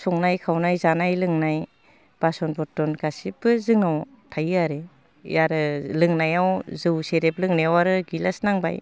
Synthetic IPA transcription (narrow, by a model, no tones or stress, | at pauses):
sɔŋnajkʰawnajzanajlɯŋnaj | b̥asɔnbɔtɔnkasibɯzɯŋnaw | tʰajaɾḛ | jaɾɯlɯŋnajawzɯwseɾeplɯŋnejawaɾɯɡilasnaŋba̰j